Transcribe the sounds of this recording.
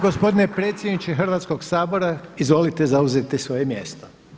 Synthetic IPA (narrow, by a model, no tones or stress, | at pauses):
ɡospo̞d̪inepɾeːt̪sʲjed̪nit͡ʃexr̩ʋat̪sko̞ɡsaːbo̞ɾaizʋo̞lit̪ezauzet̪isʋo̞jemjest̪o